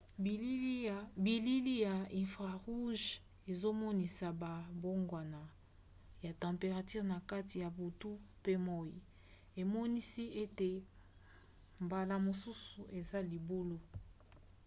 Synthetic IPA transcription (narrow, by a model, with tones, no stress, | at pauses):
bi˨li˦li˦ja˨ĩ˨fʁa˨ʁu˦ʒ | e˨zo˦mɔ˦ni˨sa˨ba˨bo˦ŋɡwa˨na˨ | ja˨tɑ̃˨mpe˨ʁa˨ty˦ʁna˨ka˦ti˨ja˨bu˨tu˦pe˦mɔ˦jḭ˨ | e˨mɔ˦ni˦si˦e˦te˨ | mba˨la˨mo˨su˦su˨ʔe˨za˦li˨bu˦lo˦